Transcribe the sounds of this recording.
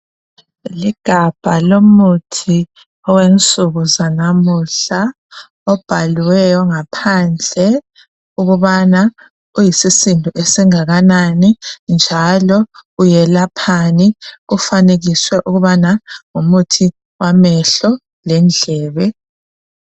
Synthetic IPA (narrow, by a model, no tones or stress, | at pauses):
liɡ̥ʱab̥ʱalomutʰi | ɔwent͡sʼuɣuzanamuɬa | ɔb̥ʱaliwɛjɔŋapʰand͡ɮʱɛ | uɣuβana | ujisisindʱuʔesiŋaɣananind͡ʒʱalɔujɛlapʰaniufaneɣiswɛʔuɣuβanaŋumutʰi | wamɛɬɔ | lɛnd͡ɮʱɛːβɛ